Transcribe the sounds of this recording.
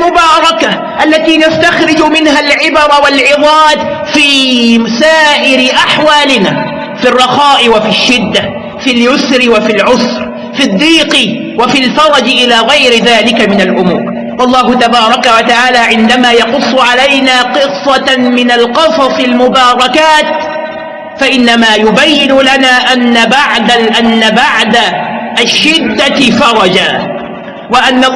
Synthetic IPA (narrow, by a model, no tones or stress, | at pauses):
lmʊbɑːɾˤɑka | ʔalːat̪iːnast̪axɾɪd͡ʒʊmɪnɦalʕɪbɑɾˤɑwalʕɪðˤɑːd̪fiːsaːʔɪɾɪʔaħwaːlɪnaː | firˤːɑxaːʔɪwafiʃːɪd̪ːa | filjʊsɾɪwafilʕʊsɾ | fɪd̪ˤːiːqɪ | wafilfɑɾˤɑd͡ʒɪʔɪlaːɣajɾɪðaːlɪkamɪnalʔʊmṵːɾ | wɑlˤːɑːɦʊt̪abɑːɾˤɑkawat̪aʕaːlaːʕɪnd̪amaːjɑqʊsˤːʊʕalajnaːqɨsˤːɑmɪnalqɨsˤɑsˤɪlmʊbɑːɾˤɑkaːt̪ | faʔɪnːamaːjʊbajːɪnʊlanaːʔanːabaʕd̪aʔanːabaʕd̪aʃːɪd̪ːafɑɾˤɑd͡ʒaː | waʔanːa